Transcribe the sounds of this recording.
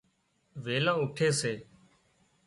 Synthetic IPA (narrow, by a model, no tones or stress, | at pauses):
ʋeːlãːʊʈʰeːseː